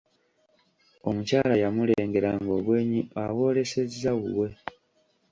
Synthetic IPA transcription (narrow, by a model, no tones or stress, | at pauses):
o̞mucaːlajamuleːŋɡe̞ɾaŋɡo̞ːβwe̞ːɲiawo̞ːle̞se̞zːaɣuwe̞